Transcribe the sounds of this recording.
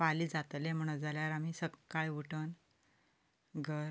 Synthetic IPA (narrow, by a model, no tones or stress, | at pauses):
paliːd͡zat̪lem̤əɽ̃əd͡zaljaɾamiːsəkːaɭeuʈən | ɡʱəɾ